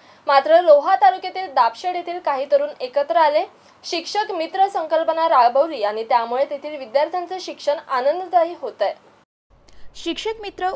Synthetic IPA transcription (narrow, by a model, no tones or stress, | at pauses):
mat̪ɾəloɦat̪alukjat̪iːld̪apɕəɽjet̪ʰiːlkaɦiːt̪əɾuːnekət̪ɾəale | ɕikʂəkmit̪ɾəsəŋkəlpənaɾabəwɾiːaɽ̃it̪jamuɭet̪et̪ʰiːlʋid̪jaɾt̪ʰjant͡səɕikʂəɳanənd̪ət̪aɦiːɦot̪əj | ɕikʂəkmit̪ɾə